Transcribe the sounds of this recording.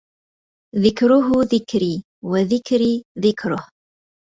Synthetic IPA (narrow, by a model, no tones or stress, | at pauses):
ðɪkɾʊɦʊðɪkɾiː | waðɪkɾiðɪkɾʊh